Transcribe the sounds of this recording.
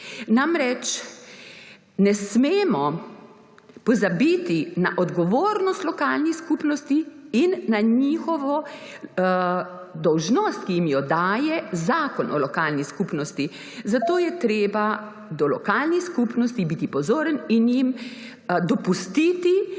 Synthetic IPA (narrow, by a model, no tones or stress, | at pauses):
namɾɛt͡ʃ | nɛsmeːmɔ | pɔzabit̪ina̰ʔɔd̪ɡɔʋoːɾnɔst̪lɔkaːlnixskupnɔst̪iinːaɲiːxɔʋɔ | d̪ɔwʒnɔst̪̚kijimjɔd̪aːjɛzaːkɔnʔɔ̰lɔkaːlniskupnɔst̪i | zat̪oːjɛt̪ɾeːba | d̪ɔlɔ̰kaːlniskupnɔst̪ibit̪ipɔzoːɾəninjim | d̪ɔpust̪it̪i